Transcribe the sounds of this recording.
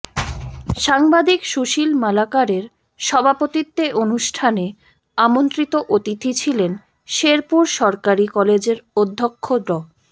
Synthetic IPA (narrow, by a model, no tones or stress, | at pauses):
ʃaŋbad̪ʱikʃuʃilmalakaɾeɾ | ʃɔbʱapot̪it̪ːeʔonuʃʈʰane | amont̪ɾit̪oʔot̪it̪ʰit͡ɕʰilen | ʃeɾpuɾʃɔɾkaɾikɔled͡ʑeɾod̪ʱːokʰːod̪ɾɔ